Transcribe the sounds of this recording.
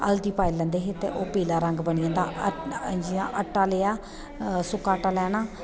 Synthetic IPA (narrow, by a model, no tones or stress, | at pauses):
ə̰ld̪iːpaːilɛ̃ːnd̪eːɦeːt̪ḛːʔoːpiːlaːɾəŋɡbəɳiãːnd̪a̰ːəd͡ʒiaːʔəʈːaːleːaː | sʊkaːʈːaːlɛːnaː